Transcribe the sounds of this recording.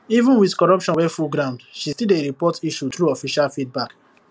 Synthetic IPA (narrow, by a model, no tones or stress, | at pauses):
ivũnwiðkɔɹɔpʃɔ̃nwɛfuɡɾãʊ̃ndʃistileɾipɔtiʃutɹuɔfiʃalfit̚bak